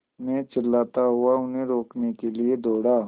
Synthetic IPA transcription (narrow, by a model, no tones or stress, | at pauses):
mẽt͡ʃɐlːaːt̪aɦʊaʊnɦẽɾoːknekelied̪ɔːɽaː